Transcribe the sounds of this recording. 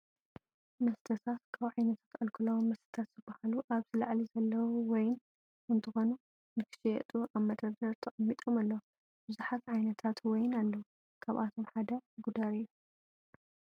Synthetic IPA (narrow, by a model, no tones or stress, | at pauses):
mɐst̪ʰɐt̪ʰat̪kʰaβʕajnɐt̪ʰḁt̪ʔʼɐlkʰɨlɐwmːɐst̪ʰɐ̥t̪ʰat̪z̥ɨbːahaluʔaβzɨlaʕlizɐlːɐwuwɔjɪn | ʔɨnt̪ʰɨxo̞nu | nɨkʰɨ̥ʃijɛt̪ʼuʔaβmɐd̪ɐd̪ɐɾt̪ʰɐʔʼɐmːit̪ʼomalːɐwu | bɨzuħat̪ʕajnɐt̪ʰat̪wɔjnalːɐwu | kʰaβʔat̪ʰo̞mħad̪ɐɡud̪aɾijːu